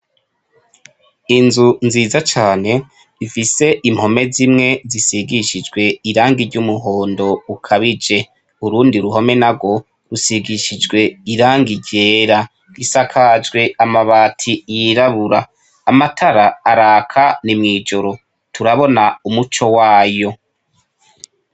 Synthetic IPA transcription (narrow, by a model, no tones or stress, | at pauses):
inzunziːzat͡ʃaːne̞ | ifise̞ʔimho̞me̞zimŋe̞zisiɡiʃid͡ʒɡwe̞iɾaːŋɡiɾɟumuɦo̞ːndo̞ukʰaβid͡ʒe̞ | uɾuːndiɾuɦo̞me̞naɡo̞ | ɾusiɡiʃid͡ʒɡwe̞iɾaːŋɡiɟe̞ːɾa | ɡ̥isakʰad͡ʒɡwe̞amaβaːtʰijiɾaβuɾaː | matʰaɾaːɾaːkʰanimŋiːd͡ʒo̞ɾo̞ | tʰuɾaβo̞naumut͡ʃo̞waːjo̞